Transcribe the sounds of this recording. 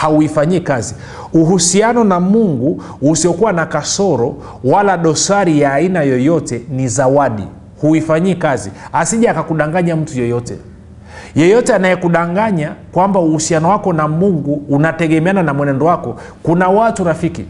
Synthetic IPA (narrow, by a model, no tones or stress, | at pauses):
hauifaɲiːkazi | uɦusianɔnamuŋɡu | usiɔkuwanakasɔɾɔ | walaɗɔsaɾijaːinajɔjɔtɛnizawaɗḭ | huifaɲikazihasiʄaakakuɗaŋɡaɲam̩tujɔjɔtɛ̰ | jɔjɔtɛanajɛkuɗaŋɡaɲakwambauhusianɔwakɔnamuŋɡuːnatɛɡɛmɛananamwɛnɛndɔwakɔ | kunawatuɾafiki